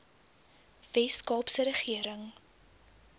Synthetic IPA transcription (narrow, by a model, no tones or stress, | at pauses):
vɛskɑːpsəɾəχiəɾəŋ